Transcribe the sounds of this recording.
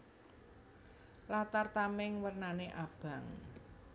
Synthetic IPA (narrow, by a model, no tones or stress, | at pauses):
lat̪art̪amɪŋwərnaneʔab̥a̤ŋ